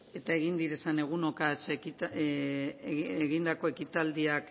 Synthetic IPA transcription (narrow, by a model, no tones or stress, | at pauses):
e̞t̪ae̞ɣind̪iɾe̞sane̞ɣ̞uno̞kasei | eɣind̪ako̞e̞kit̪ald̪iak